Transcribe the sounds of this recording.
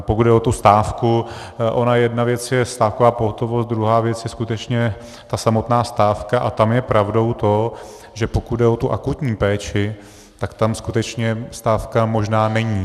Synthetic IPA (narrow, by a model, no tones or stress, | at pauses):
pokud̪dɛʔot̪ust̪aːfkuʔo̞najɛdnavjɛt͡sjɛst̪aːfkovaːpoɦot̪o̞vo̞st̪̚d̪ɾuɦaːvjɛt͡sjɛskut̪ɛt͡ʃɲɛ | t̪asamo̞t̪naːst̪aːfkaʔat̪amjɛpɾavdo̞wt̪o̞ | ʒɛpokud̪dɛʔo̞t̪uʔakut̪ɲiːpɛːt͡ʃɪ | t̪akt̪amskut̪ɛt͡ʃɲɛst̪aːfkamo̞ʒnaːnɛɲiː